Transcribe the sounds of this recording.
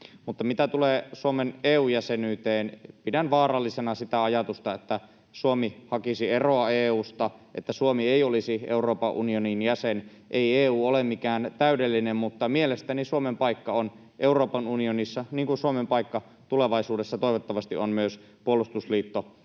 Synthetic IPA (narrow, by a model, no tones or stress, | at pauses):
mut̪ːɑmit̪æt̪uleːsuomeneːuːjæsenyːt̪eːnpidænʋɑːrɑlːisenɑsit̪æɑjɑt̪ust̪ɑet̪ːæ | suomihɑkisieroɑeːuːst̪ɑʔet̪ːæsuomieiolisiʔḛuroːpɑʔunioninjæsen | ʔeieːuːolemikæːnt̪æydelːinemmut̪ːɑmielest̪ænisuomempɑikːɑon | ʔeuroːpɑnunionisːɑniːŋkunsuomempɑikːɑ | t̪uleʋɑisuːdesːɑt̪oˑiʋot̪ːɑʋɑst̪iʔonmyøs | puolust̪usliːt̪ːo